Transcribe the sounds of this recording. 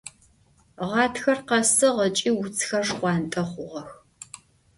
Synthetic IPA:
ʁɑːtʰxɐrqɐsɨʁət͡ʃʼiːwʊt͡sʰxɐʂqʷɑːntʼɐχʷʊʁɐx

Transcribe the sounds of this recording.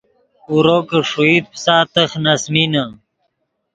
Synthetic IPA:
uɾoːkəʂuid̪̚psaːt̪əxnɐsmina

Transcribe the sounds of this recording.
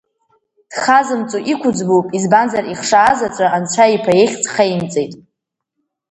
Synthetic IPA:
d̥χazɨmt͡sʷʼuʔikʷʰʊd͡zbopʼizbanzariχʂaːzat͡sʷʼaʔant͡ʃʷʰaipʰajeχʲt͡sʼχajmt͡sʼejtʼ

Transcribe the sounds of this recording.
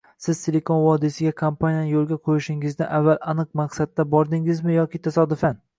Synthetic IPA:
sɪzt̪ʰelekʰonvɒd̪ɪsɪɡʲakʰampʰanijanɪjolˠɡʲaqʰojɪʃɪŋɪzdnɪʔavːalˠanɨq̚maqsad̪ːabɒɾd̪ɪŋɪzmɪjɒkʲɪt̪ʰasɒd̪ɪfan

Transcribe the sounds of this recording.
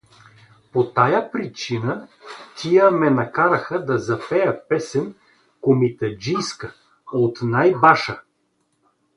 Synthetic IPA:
pot̪ajapɾit͡ʃinət̪ʲʰijəmɛnɐkaɾɐxəd̪ɐzɐpɛjəpɛsɛn | komit̪ɐd͡ʒijskə | ot̪najbaʃə

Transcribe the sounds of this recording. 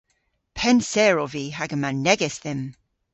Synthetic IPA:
pʰɛnsɛːɹɔviːɦaɡəmanɛɡɛsðɪm

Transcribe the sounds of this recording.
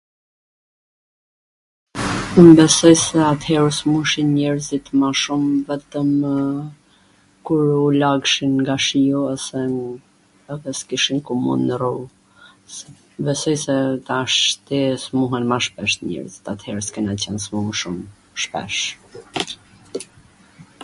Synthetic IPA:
mbɛsɔjsɛat̪hɛɾəsmuʃinɲɛɾzit̪maʃumvɛt̪əm | kuɾulaɡʃinŋɡaʃijɔɔsɛ | ɛðɛskiʃinkumṵnɾu | s | bɛsɔjsɛt̪aʃt̪ɛsmuɦɛnmaʃpɛʃt̪ɲɛ̰ɾzit̪at̪hɛɾəskɛnat͡ɕɛnsmumʃum | ʃpɛ̰ʃ

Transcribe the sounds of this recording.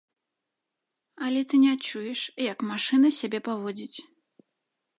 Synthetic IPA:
ɐlʲɛt̪ɨnʲɛat͡ʂːujɛʂjɐkmaʂɨnɐsʲabʲɛpavɔd͡zʲit͡sʲ

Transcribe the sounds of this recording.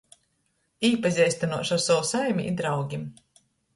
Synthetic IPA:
iːpazʲɛjsʲt̪anuɔʃawsawsajmʲḭʔḭd̪ɾawɡʲim

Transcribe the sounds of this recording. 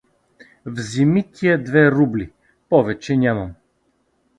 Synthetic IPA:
vzimit̪ʲʰiɐd̪vɛɾubli | pɔvɛt͡ʃɛnʲamɐm

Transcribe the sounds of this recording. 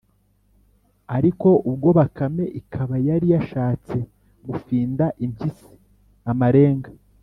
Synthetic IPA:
aɾiko̞ʔubɡo̞βakame̞ʔikʰaβajaɾijaʃaːt͡se̞ | ɡufiːndaʔimisi̥ | amaɾe̞ːŋɡa

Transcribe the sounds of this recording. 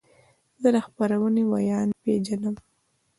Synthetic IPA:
d̪əd̪axpaɾawənewajɑnped͡ʒanəm

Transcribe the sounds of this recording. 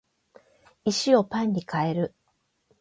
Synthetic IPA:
iɕio̞pãɲ̟ːikʰae̞ɾɯ̟

